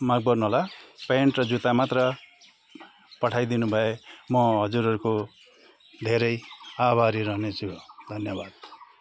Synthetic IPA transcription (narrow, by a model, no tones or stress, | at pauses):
maɡ̚bʌrnuɦolapeɳʈrʌd͡zut̪amat̪rʌ | pʌʈʰajd̪inubʱʌemʌɦʌd͡zuɾʌɾuko | d̪ʱeɾʌjabʱaɾiɾʌɦnet͡sʰud̪ʱʌnjʌbad̪̥